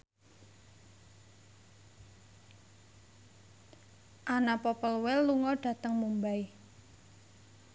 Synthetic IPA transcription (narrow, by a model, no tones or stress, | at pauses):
ʔanapɔpəlwɛlːuŋɔɖ̥a̤t̪əŋmumbai